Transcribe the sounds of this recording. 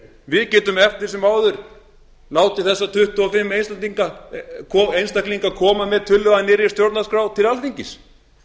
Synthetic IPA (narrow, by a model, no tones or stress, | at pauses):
vɪðcɛːt̪ʏmɛft̪ɪɾsɛmaːwðʏɾ | laːwt̪ɪθɛsːat̪ʰʏht̪uɔfɪmːejnst̪aniŋkakʰɔejnst̪akliŋkakʰɔːmamɛðt̪ʰʏlːʏvaðnɪːɾɪst̪jowɾt̪naskɾawt̪ʰɪlalfiɲcɪs